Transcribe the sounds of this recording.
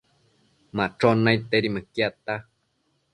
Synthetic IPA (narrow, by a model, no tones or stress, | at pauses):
mãʈ͡ʂonait̪eɾimɨkiat̪a